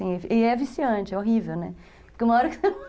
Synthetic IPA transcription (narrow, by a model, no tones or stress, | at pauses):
ĩeɪɛvisiɐ̃t͡ʃɪɛoɦivewnɛ | pkeumɐɔɾɐkɪ̥sem